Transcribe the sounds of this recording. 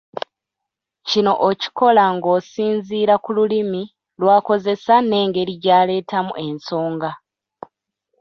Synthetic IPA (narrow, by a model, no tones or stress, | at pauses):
cino̞ʔoci̥ko̞laŋɡo̞ːsiːnziːɾakululimi | lwaːko̞ze̞sane̞ːŋɡe̞ɾiɟaːle̞ːtamṵʔe̞nso̞ːŋɡa